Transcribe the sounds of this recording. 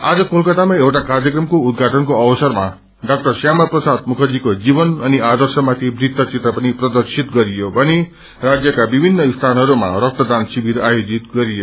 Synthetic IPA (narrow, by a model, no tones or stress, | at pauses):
ad͡zʌkolkʌʈ̪amaewʈakarjʌkrʌmkoud̪̚ɡʱaʈʌnkoʌbʌsʌrma | ɖʌk̚ʈʌrsjamaprʌsad̪̚mukʰʌd͡zikod͡zibʌnʌniad̪ʌrsʌmat̪ʰibrit̪ːʌt͡sit̪rʌpʌniprʌd̪ʌrsit̪ɡʌɾijobʱʌni | rad͡zjʌkabibʱinːʌist̪ʰanʌɾuma̰rʌk̚t̪ʌd̪ansibiɾajod͡zit̪ɡʌɾijo